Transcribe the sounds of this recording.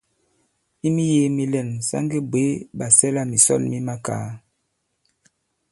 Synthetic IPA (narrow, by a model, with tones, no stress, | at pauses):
i˦mi˦je˦mi˦lɛ˨nsa̰˦ŋɡe˦bwe˨˦ba˨sɛ˦la˦mi˨sɔ̰˦˨lmi˦ma˦ka̰ː˨˦